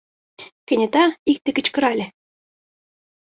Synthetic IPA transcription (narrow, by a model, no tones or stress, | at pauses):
kɘ̆nʲɘ̆t̪ɑik̚t̪ĕkɘ̆t͡ɕkɤ̆ɾɑlʲɘ̆